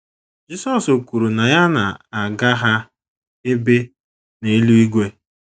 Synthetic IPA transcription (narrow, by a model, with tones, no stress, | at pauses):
d͡ʒi˦sɔ˨so˨ku˨ɾu˨na˨ja˦na̰˨a˨ɡa˦ɦa˦ | e˦be˦ | ne˨e˦lu˦i˦ɡʷe˦